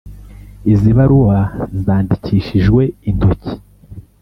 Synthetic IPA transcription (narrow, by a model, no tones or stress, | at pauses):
iziβaɾuwazaːndiciːʃiʒɡwe̞indoci̥